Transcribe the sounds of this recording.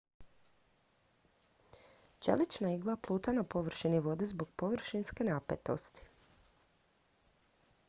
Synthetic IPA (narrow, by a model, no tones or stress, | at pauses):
t͡ʃḛlit͡ʃnaiɡlˠaplˠuːt̪anapo̞ʋr̩ʃiniʋo̞d̪ezboɡ̚po̞ʋr̩ʃinske̞napḛt̪o̞̰st̪i̥